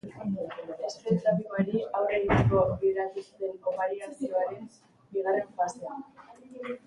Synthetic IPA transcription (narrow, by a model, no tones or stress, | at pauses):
espet̪apimaɾiawrenuskoakβieɾat̪usit̪enkoβaɾiaɾt̪ioaɾen | biɣ̞are̞ɱfasean